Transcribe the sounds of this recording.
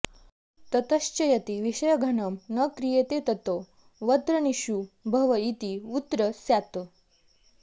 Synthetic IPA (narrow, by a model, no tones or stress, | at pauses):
t̪ɐt̪əɕt͡ɕɐjɐt̪iʋiɕəjəɡʱɐɳəmnəkɾijet̪et̪ɐt̪o | ʋət̪ɾəniɕubʱɐʋəit̪iut̪ːɾəsjat̪o